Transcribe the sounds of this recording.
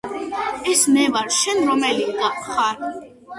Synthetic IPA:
ɛsmɛvaɾʃɛnɾɔmɛliɡ̪aχaɾ

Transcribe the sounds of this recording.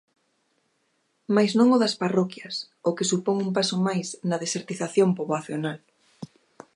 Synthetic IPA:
majznõŋoðɐsparɔkjɐs | okesupoŋumpasomajsnɐðeseɾt̪iθaθjompoβlaθjonal

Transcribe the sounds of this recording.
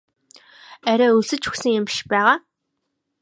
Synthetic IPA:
æɾʲæːɵɮsɘ̆t͡ɕʰuksɘ̆ŋjɪmpiʃpæːʁaː

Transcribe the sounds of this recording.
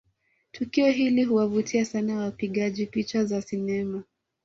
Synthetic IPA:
tʰukiɔɦiliɦuwavutʰiasanawapiɠaʄipit͡ʃazasinɛma

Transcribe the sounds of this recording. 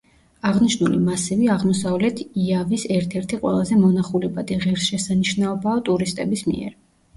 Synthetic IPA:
aʁniʃnulimasiviaʁmɔsavlɛt̪ʰiavisɛɾt̪ʰɛɾt̪ʰiqʼwɛ̰lˠazɛmɔnaχulɛbad̪iʁɛɾsʃɛsaniʃnaɔbaɔt̪ʼuɾist̪ʼɛbismḭɛ̰ɾ

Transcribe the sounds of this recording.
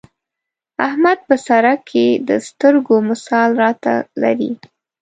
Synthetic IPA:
ahmad̪̚pəsaɾakʰːed̪əst̪əɾɡomɪsɑlɾɑt̪a̰la̰ɾḭ

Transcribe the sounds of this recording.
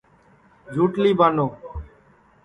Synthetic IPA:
d͡ʒʱuːʈliːbaːnoː

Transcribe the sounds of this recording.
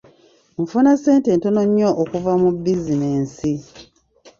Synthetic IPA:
ɱfunase̞ːnte̞ːnto̞no̞ɲːoʔokuvamubizineːnsi

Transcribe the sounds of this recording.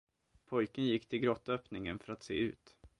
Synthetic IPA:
pʰɔjkənjɪkːt̪ʰɪlɡɾɔt̪ːœːpnɪŋənfœɾat̪sḛːʉ̟ːt̪

